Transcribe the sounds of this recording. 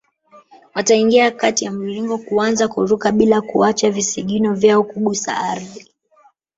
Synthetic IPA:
wataiŋɡiakatijamuliŋɡɔkuanzakuɾukaɓilakuat͡ʃavisiɠinɔvjaɔkuɠusa̰aɾði

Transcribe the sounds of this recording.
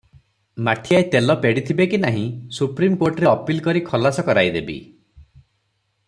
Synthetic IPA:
maʈʰiajt̪elɔpeɽit̪ʰibekinaɦĩsupɾimkoɾʈɾeɔpilkɔɾikʰɔlasɔkɔɾajd̪ebḭ

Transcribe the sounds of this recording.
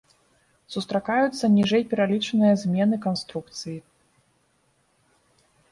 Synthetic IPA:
sust̪ɾakajut̪sːɐnʲiʐɛjpʲɛɾalʲit͡ʂɐnɨjɐzʲmʲɛnɨkanst̪ɾuk̚t̪sɨji

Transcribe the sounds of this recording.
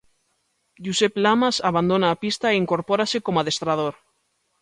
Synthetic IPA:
ʎuseplamasaβand̪onaːpist̪aeiŋkoɾpoɾasekomaðest̪ɾað̞oɾ

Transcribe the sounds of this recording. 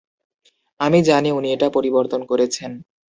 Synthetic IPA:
amid͡ʑaniunieʈapoɾiboɾt̪onkoɾet͡ɕʰen

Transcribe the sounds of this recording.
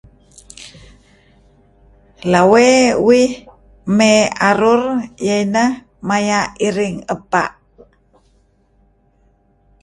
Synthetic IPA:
lawewih | meaɾurjajnəh | majaʔiɾiŋəpa̰ʔ

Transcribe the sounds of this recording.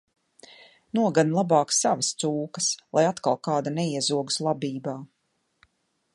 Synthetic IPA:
nuɔɡanlˠabɑːksavast̪suːkəslˠʔajat̪kalˠkaːd̪anɛiɛzuɔɡuslˠabiːbaː

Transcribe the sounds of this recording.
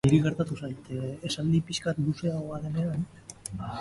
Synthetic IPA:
iɾiɣe̞ɾt̪at̪usajt̪esald̪ipiskat̪luse̞aoaðenean

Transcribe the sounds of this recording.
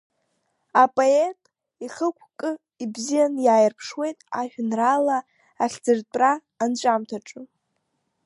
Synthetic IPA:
apʼoetʼ | iχəkʷʰkʼɨ | ibzijanjaːjɪrpʰʂwe̞jtʼaʒᶣnrala | aχʲd͡zɨrtʼraː | nt͡ʃʷʼamtʰaʈ͡ʂʼɨ

